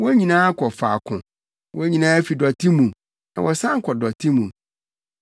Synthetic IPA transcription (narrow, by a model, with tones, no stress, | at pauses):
wɔ˦ɲĩ˨nãː˦a˦kʰɔ˨fa˨kʰʊ̃˨ | wɔ˦æ˦ɲĩ˨nãː˦fi˨dɔ˨tʰi˦mũ˨ | nã˨wɔ˨sã˦ŋ˦kʰɔ˨dɔ˨tʰi˦mũ˨